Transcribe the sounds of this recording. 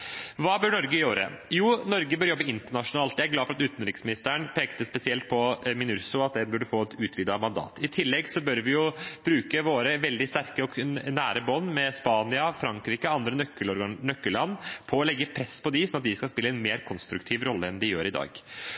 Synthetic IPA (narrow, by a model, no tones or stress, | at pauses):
ʋɑːbœɳɔɾɡəjøːɾə̰juːnɔɾɡəbœɾjɔbːəɪnt̪əɳɑʂʊnɑːlt̪dæɪæɾɡlɑːfɔɾɑt̪ʉːt̪n̩ɾɪksmɪnɪst̪əəɳpʰeːkt̪əspɛsɪɛlt̪̚pʰɔmɪnʉɾsʊɑt̪̚d̪ɛnbʉɖəfoːɛt̪ʉːt̪ʰʋɪd̪ɑmɑnd̪ɑ̰ːt̪ʰɪt̪ʰɪlːɛɡsɔbœɾʋɪjʊb̥ɾʉːkəʋoːɾəʋɛld̪ɪst̪æɾkəɔnæːɾəbɔnːmɛspɑːnɪɑfɾɑŋkɾiːkəɑnd̪ɾənœkːəlɔɾnœkːəlɑnːpʰɔːlɛɡːəpʰɾɛspɔd̪ɪsɔnɑt̪d̪ɪskɑspɪlːəɛnmeːɾkʰɔnst̪ɾʉkt̪ʰiːʋɾɔlːəɛnd̪ɪjø̰ːɾɪd̪ɑ̰ːɡ